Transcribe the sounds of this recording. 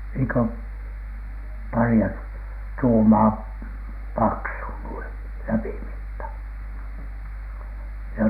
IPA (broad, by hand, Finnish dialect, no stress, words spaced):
niːŋ kø pɑriɑ tuːmɑː pɑksu nuin læpimitːɑ jɑ